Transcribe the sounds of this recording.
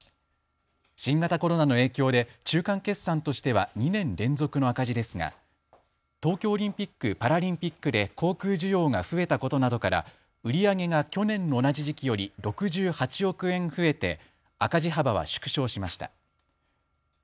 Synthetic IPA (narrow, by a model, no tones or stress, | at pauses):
ɕĩŋɡat̪ako̞ɾo̞nano̞e̞ːkʲo̞ːd̪e̞t͡ɕɨːkãŋke̞sːãnt̪o̞ɕi̥t̪e̞βaɲ̟inẽ̞nɾẽ̞nzo̞kɯ̟no̞akaʑid̪e̞sɨŋa̰ | t̪o̞ːkʲo̞ːɾʲĩmpʲikːɯ̟paɾaɾʲĩmpʲikːɯ̟d̪e̞kʰo̞ːkɯ̟ːʑɨjo̞ːŋaɸɯ̟e̞t̪ako̞t̪o̞nad̪o̞kaɾa̰ | ɯ̟ɾʲiaŋe̞ŋakʲo̞nẽ̞nːo̞ːnad͡ʑiʑikʲijo̞ɾʲiɾo̞kɯ̟ʑɨːhat͡ɕio̞kɯ̟ẽ̞ɰ̃ɸɯ̟e̞t̪e̞̰ | akaʑiɦabaβ̞a̰ɕɨ̥kɯ̟̥ɕo̞ːɕimaɕi̥t̪a̰